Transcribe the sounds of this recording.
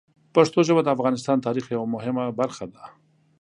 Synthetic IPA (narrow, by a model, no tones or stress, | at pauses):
paʂt̪oʒəbad̪əafɣɑnɪs̬t̪ɑnt̪ɑɾixjawamʊɦɪmabaɾxad̪a